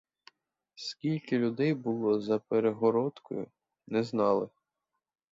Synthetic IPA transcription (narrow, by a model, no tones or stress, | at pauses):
skʲilʲkɪlʲʊd̪ɛjbʊlˠɔzɐpeɾeɦɔɾɔt̪kɔ̰jʊ̰ | nɛznɑlˠɪ